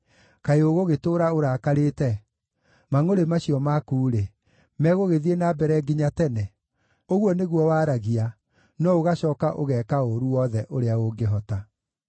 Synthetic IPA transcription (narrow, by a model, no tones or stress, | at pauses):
kaeoɣoɣetoːɾaoɾakaɾetɛ | maŋoɾemaɕiɔmakuːɾe | mɛɣoɣeðienabɛɾɛɡiɲatɛnɛ | oɣwɔneɣwɔwaːɾaɣia | nɔoɣaɕɔːkaʔoɣɛkaoɾuwɔðɛʔoɾeaɣoɡeɦɔta